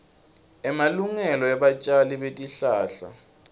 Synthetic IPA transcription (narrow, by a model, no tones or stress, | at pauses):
ɛmaluŋɛlɔɛɓat͡ʃʼaliɓetʼiɬaːɬa̰